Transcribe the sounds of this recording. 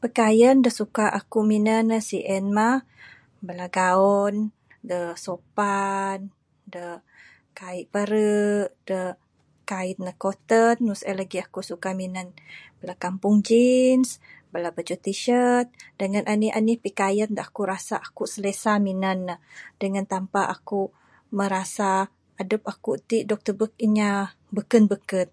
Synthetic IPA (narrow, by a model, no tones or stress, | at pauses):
pəkajəndəsukaʔakuminənːəsiʔɛnma | bəlaɡaɔn | dəsopan | də | kaiʔpəɾəʔd̥ə | kait̪̚nəkot̪ənːusɛlaɡiakusukaminənbəlakampʊŋd͡ʒinsbəlabət͡ʃut̪iʃət̪̚dəŋanʔania̰nipikajət̪̚dəakuɾasaʔakuʔsəlesaminanːadəŋant̪ampaʔaku | məɾasaː | dəp̚akuʔt̪iʔdɔk̚t̪əbək̚iɲa | bəkənbəkət̪̚